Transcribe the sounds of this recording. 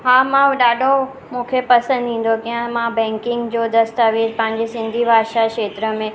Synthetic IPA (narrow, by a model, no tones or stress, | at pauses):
ɦaːmãɗaːɖʱo | mũːkʰepɐsə̃nd̪ĩːn̆d̪okijə̃mãbɛ̃ːŋkɪ̃ŋɡd͡ʑoːd̪ɐst̪aʋeːɾpɐ̃ɦɪ̃ɲd͡ʑesɪ̃nd̪ʱibʱaːʃakʃeːt̪ɾəmẽ